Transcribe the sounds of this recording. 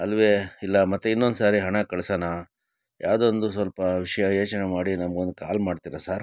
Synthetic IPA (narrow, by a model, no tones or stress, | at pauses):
ɐlʋeːilːɐmɐt̪ːeinːond̪saːɾiɦɐɳɐkɐɭsana | jʔaːʋd̪ond̪usʋɐlpɐʋiʂɐjɐjo̞ːt͡ʃɐnemaːɽinɐmɐɡond̪ukaːlmaːɖt̪iɾasaːɾ